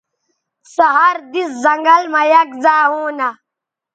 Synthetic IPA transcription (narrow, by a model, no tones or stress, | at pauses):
sɐɦɐɾd̪iszɐŋɡɐlmɐjɐk̚zaːɦũːnɐ